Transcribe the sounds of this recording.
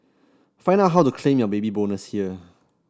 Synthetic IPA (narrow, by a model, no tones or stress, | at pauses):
fãɪ̃ndat̚ɦawtukʰlẽmjɔbebibõnəshiə